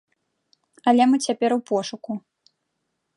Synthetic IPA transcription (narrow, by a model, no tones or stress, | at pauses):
ɐlʲɛmɨt͡sʲapʲɛɾwpɔʂuku